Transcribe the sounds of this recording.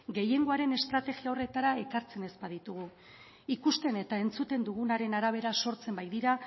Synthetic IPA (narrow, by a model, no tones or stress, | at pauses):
ɡe̞je̞ŋɡo̞aɾe̞ne̞st̪ɾat̪e̞ɣiao̞re̞t̪aɾae̞kaɾt͡se̞ne̞spaðit̪uɣ̞u | ikust̪e̞ne̞t̪ae̞nt͡sut̪e̞nd̪uɣ̞unaɾe̞naɾaβ̞e̞ɾaso̞ɾt͡se̞mbajd̪iɾa